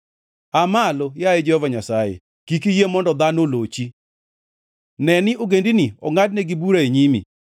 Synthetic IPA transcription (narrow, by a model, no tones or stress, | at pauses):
amalojaed͡ʒɛhɔvaɲasajḛ | kikijemɔndɔd̪anolot͡ʃi | nɛnɪʔoɡendiniɔ̰ŋadnɛɡibuɾaeɲimḭ